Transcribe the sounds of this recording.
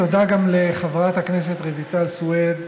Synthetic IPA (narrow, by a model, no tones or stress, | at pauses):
od̪aɡamleχavʁat̪haknes̬e̞t̪ʁevit̪alsued